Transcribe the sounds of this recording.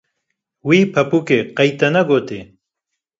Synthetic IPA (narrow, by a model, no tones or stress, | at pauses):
wiːpʰɐpuːkeːqɐjt̪ɛnɐɡoːt̪eː